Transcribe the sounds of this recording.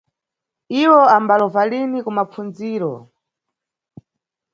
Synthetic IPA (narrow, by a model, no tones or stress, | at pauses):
iwɔambalɔvalinikumafund͡ziːɾɔ̰